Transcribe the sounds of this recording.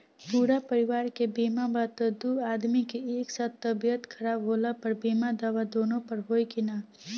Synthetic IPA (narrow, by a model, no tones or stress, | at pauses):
puːɾapəɾɪʋaːɾkebiːmabaːt̪əd̪uːaːd̪mikieːksaːt̪ːɐbijət̪kʰɐɾaːbɦoːlapɐɾbiːmad̪aʋad̪oːnõpɐɾɦoːikinaː